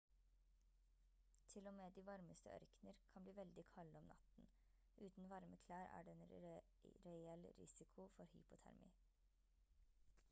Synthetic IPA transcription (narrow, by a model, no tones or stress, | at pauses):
t̪ʰɪlɔmeːd̪iːʋɑɾməst̪ə̰ʔœ̰ɾknəɾkʰɑnbliːʋɛld̪ɪkʰɑlːəɔmnʔɑ̰t̪n̩ | ʔʉːt̪n̩ʋɑɾməkʰlæːɾæ̰ːɖeeːn | ɾɛɛlɾɪ̰sɪkʰʊfɔɾhy̰ːpʊt̪ʰæ̰ɾmḭː